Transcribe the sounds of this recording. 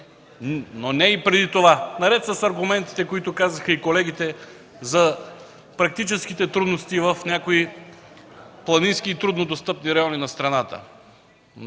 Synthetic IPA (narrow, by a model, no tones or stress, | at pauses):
nonɛipɾɛd̪it̪ovanɐɾɛt̪sɐsɐɾɡʊmɛnt̪i̥t̪ɛkoit̪ʊkazəxɐikolɛɡ̟it̪ɛ | zɐ | pɾɐk̚t̪it͡ʃɛskit̪ɛt̪ɾud̪nost̪ivəfnʲakoi | plˠɐninskiːt̪ɾud̪nod̪ost̪ɤpniɾɐjɔninɐst̪ɾɐnat̪ə̰